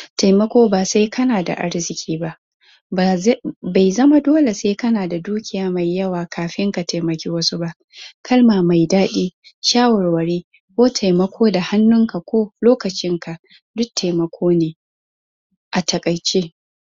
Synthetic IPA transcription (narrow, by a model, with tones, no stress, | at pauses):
ta˨jmɐ˦kʷoː˦baː˨sa˦jkʰɐ˦naː˨da̰˨ʔa̰˦ɽzɪ˨kʲʰiː˦ba˦ʔ | ba˨jzɐ˦ma˦doː˦le˨seː˦kɐ˦naː˨da˨duː˦kʲɪ˨jaː˦ma˨jːɐ˦waː˨kʰaː˨ɸɪ˦ŋka˨ta˨jmɐ˨kʲeː˦wɐ˦su˦ba˦ʔ | kʰɐ˦lmaː˨ma˨jdaː˦ɗiː˦ʃaː˦wɐ˨ɽwɐ˨ɽeː˦ | kʷoː˦tʰa˨jmɐ˦kʷʰoː˦da˨ha˦nːʊ˦ŋka˨kʷoː˦loː˦kɐ˨t͡ʃɪ˦ŋka˨ʔ | dʊ˦ktʰːa˨jmɐ˨kʷʰoː˦neː˨ | ʔa˨tʰɐ˨kʼɐ˨jt͡ʃeː˦